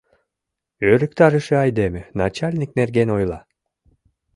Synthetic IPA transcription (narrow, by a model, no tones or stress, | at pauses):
øɾykt̪ɑɾɯʃɯɑjd̪emɘnat͡ɕalʲnʲiknerɡenojlˠɑ